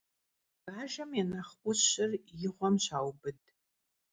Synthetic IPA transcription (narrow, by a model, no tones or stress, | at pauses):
ɡ̥aːʒɐmjɛnɐχkʷʼʊɕɪrjɪʁʷɔmɕaːwbɨdʼ